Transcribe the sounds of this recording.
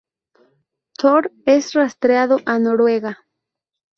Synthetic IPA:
t̪ʰoɾesrast̪ɾeaðoʔanoɾweɣa

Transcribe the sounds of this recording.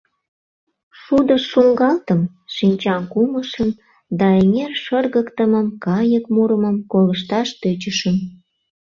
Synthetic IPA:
ʃud̪əʃːuŋɡɑlt̪əm | ʃinʲt͡ɕɑmkuməʃən | d̪ɑenerʃərɣəkt̪əməmkɑjəkmuɾəməmkoləʃt̪ɑʃt̪øt͡ɕəʃən

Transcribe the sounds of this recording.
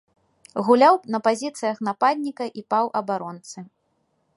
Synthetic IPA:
ɣulʲawnɐpazʲit̪sɨjɐxnapad̪ʲnʲikɐʔipawʔɐbaɾɔnt̪sɨ

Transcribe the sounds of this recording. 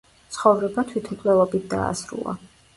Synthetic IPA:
t̪sʰχɔvɾɛbat̪ʰwit̪ʰmkʼlɛvˠɔbit̪̚ʰd̪a̰ːsɾṵlˠa̰

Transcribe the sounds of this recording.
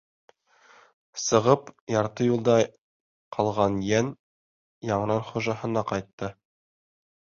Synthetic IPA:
sɤ̆ʁɤpjɑɾt̪ɤjulˠd̪ɑ | qʰɑlˠʁɑnjæn | jɑɴɤ̆nɑnχuʒɑɦɤ̆nɑqɑjt̪ːɤ

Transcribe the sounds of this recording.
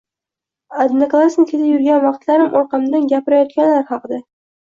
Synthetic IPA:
ad̪naklˠasnɪkʲʰet̪ɪpjʊɾɡʲanvɑqt̪laɾɪmʔoɾqɑmd̪anɡʲapɪɾajɒt̪̚kʲanlaɾhɑqɨd̪a

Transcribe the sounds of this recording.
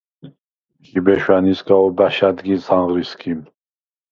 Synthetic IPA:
kibɛʃwanisɡaɔbaʃad̪ɡizanʁɾiskʰim

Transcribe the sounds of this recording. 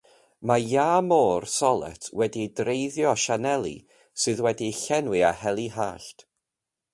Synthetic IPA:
majaːmoːrsɔlˠɛ̰tʰwɛdidrejðjɔʃanɛlˠḭ | sɨðwɛdiɬɛnwɨahɛlˠiɦaːɬt

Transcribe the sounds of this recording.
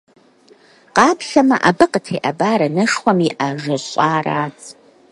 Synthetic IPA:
qɑːpʰɬɐmɐʔabɨqʼətʰeːʔabaːɾɐnɐʂχʷɐmiʔaʐɐɕʼaːraːt͡sʼ

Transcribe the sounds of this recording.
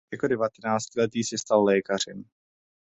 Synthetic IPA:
jakodɛvat̪ɛnaːt͡scɪlɛt̪iːsɛst̪allɛːkar̝ɛm

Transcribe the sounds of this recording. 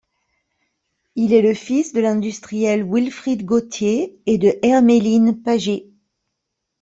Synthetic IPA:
ilɛləfisd̪əlɛ̃d̪yst̪χijɛlwilfχid̪ɡot̪jeːd̪əʔɛʁmelinpaʒe

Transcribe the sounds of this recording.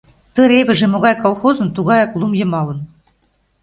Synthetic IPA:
t̪ɤ̆ɾeβɘ̆ʒĕmoɣɑjkolˠxozɤ̆nt̪uɣɑjɑklˠumjɤ̆mɑlɤ̆n

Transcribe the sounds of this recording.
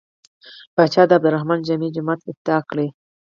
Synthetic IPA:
b̥ɑt͡ʃɑd̪əabd̪ʊɾahmɑnd͡ʒamid͡ʒʊmat̪ɪt̪̚d̪ɑkɽe

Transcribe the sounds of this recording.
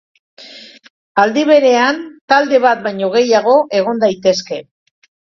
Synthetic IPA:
ald̪iβ̞e̞ɾe̞ant̪ald̪e̞βat̪̚bajɲo̞ɣ̞e̞jaɣ̞o̞ʔe̞ɣ̞o̞nd̪ajt̪e̞ske̞

